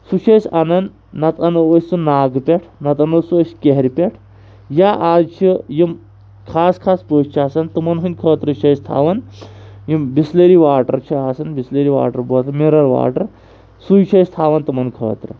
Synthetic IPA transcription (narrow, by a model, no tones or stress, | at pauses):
suʃʰɐjsɐnɐnd̪ | nɐt̪ɐnɨʋəsʲsunaːɡpʲeʈʰnɐt̪ɐnɐsuəskʲeɦɾʲipʲeʈʰ | jaʔaːzt͡ʃʰijim | kʰaːskʰaːspəst͡ʃʰiaːsɐnt̪ɨmɐnɦɨnʲkʰəːt̪ɾɨt͡ʃʰɐjst̪ʰa̰ːʋɐnjimbisleɾiʋaːʈɐ̰ɾt͡ʃʰiaːsɐnbisleɾiʋa̰ːʈɐɾbəːt̪ʰɐɾmiɾɐɾʋa̰ːʈɐɾ | sujt͡ʃʰɐjst̪ʰaːʋɐnt̪ɨmɐnkʰə̰ːt̪ɾɐ̰